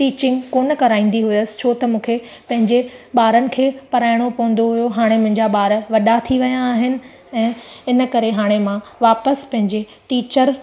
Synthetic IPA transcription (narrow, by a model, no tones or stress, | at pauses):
ʈiːt͡ɕɪ̃ŋɡkoːnəkɐɾaːĩːn̆d̪iɦʊəsɪ̥t͡ɕʰoːt̪ɐmũːkʰe | pɐ̃ɦɪ̃ɲd͡ʑeɓaːɾənɪ̆kʰeːpɐɾaːɪɽ̃opɐɦə̃n̆d̪oɦʊjoɦaːɽ̃emʊ̃ɦɪ̃ɲd͡ʑaɓaːɾʋɐɗat̪ʰiʋɐjãːɦɪnɪ̆ | ɛ̃ːɪnəkɐɾeɦaːɽ̃emãʋaːpəspɐ̃ɦɪ̃ɲd͡ʑe | ʈiːt͡ɕəɾ